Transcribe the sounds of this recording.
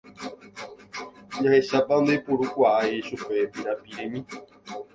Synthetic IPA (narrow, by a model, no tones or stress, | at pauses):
ɲahe̞ʃapand̪epuɾukʷaʔaeʃupepiɾapiɾẽmĩ